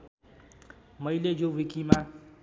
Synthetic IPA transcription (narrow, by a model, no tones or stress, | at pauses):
mʌjlejowikima